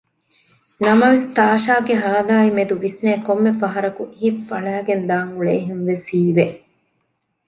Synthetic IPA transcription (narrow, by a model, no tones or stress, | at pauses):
nɐmɐʋest̪aːʃaːɡeɦɐːɐlaːimed̪uʋisneːkomːefɐɦɐɾɐkuʔiɦifːɐɭæːɡend̪aːŋɡuɭeːɦenʋesiːʋeʔ